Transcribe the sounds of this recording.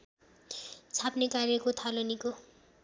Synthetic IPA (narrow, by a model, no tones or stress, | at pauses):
t͡sʰapnekarjʌkot̪ʰaloniko